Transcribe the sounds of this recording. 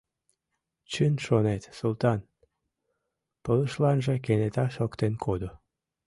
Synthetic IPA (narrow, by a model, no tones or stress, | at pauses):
t͡ɕynʃonet̪sult̪ɑn | pələ̆ʃlɑnʒĕkenet̪ɑʃokt̪enkʰod̪o